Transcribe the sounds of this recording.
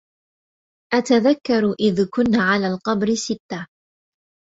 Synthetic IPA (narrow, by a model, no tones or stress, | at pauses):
ʔat̪aðakːɑɾˤʔɪðkʊnːaʕalaːlqɑbɾɪsɪt̪ːa